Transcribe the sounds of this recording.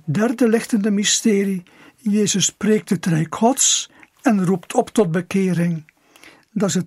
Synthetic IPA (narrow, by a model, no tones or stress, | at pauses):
dɛrdəlɪxtəndəmistɪːɾi | jeːzəspreːk̚tətrɛjkʰɔts | ɛnruptʰɔptɔd̚bəkɪːɾɪŋ | dɑzə